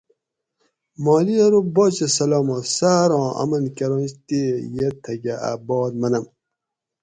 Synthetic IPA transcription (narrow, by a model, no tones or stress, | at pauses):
maːliɐɾubɔːt͡ɕɐsɐloːmosaːɾɔ̃ːɐ̰mɐnkɐɾõːnɕt̪ejet̪ʰɐɡɐa̰bɔːd̪mɐnɐm